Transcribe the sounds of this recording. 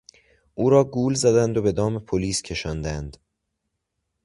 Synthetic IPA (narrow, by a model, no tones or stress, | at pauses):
ʔuːɾɒːɡuːlzæd̪ænd̪obe̞d̪ɒːmepʰoliːscʰe̞ʃɒːnd̪ænd̪̥